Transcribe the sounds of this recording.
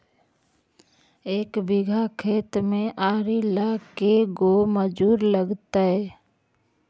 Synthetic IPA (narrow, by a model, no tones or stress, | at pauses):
eːkbɪɡʱakʰeːt̪mẽʔaːɾilakeɡoməd͡ʒuːɾləɡt̪aɦɛː